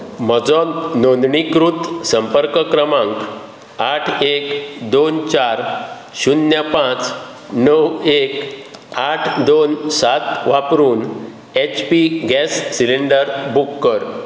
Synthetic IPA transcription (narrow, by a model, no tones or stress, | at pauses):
m̤əd͡zɔnond̪ɳikɾut̪səmpəɾkkɾəmãŋk | aʈʰekd̪ont͡ɕaɾ | ɕunjapãt͡s | nəwekaʈʰd̪onsat̪ʋapɾuːn | et͡ɕpiɡɛsːiliɳɖəɾbukːəɾ